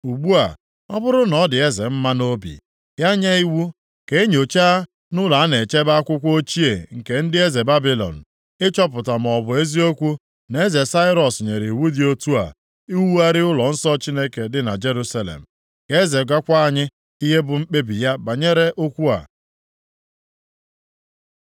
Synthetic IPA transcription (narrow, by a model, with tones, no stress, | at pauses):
u˨ɡ͡bu˦a˨ | ɔ˦bʊ˦ɾʊ˦nɔ˨dɪ˨e˦ze˨m̩˦ma˦no˦bḭ˨ | ja˦ɲa˦i˦wu˦ | ke˨˦ɲ˨o˨t͡ʃa˦ | nʊ˦la˨a˦ne˨t͡ʃe˦ba˦a˦kʷʊ˦kʷo˦t͡ʃi˦e˨ŋ̩˨ke˨n̩˦dɪ˦e˦ze˨ba˦bi˦lɔ̰˨n̩˨ | ɪ˦t͡ʃɔ˦p̬ʊ˨ta˨m̩˨ɔ˨bʊ˨e˦zi˦o˦kʷu˦ | ne˦ze˨sa˦ɪ˦ɾɔ˨sɲe˨ɾi˨wu˦dɪ˨o˦tu˦a̰˨ | i˦wu˦a˦ɾɪ˦ʊ˦lɔ˨n̩˦sɔ˦t͡ʃi˦ne˦ke˨dɪ˨na̰˨d͡ʒe˦ɾu˦sa˨lḛ˨m̩˨ | ke˨˦e˦ze˨ɡʷa˦kʷa˦˨ɲɪ˦ | i˦ɦe˦bʊ˨ŋ͡m̩˦k͡pe˦bi˨ja˦ba˨ɲe˦ɾe˦ʔo˦kʷu˦a̰˨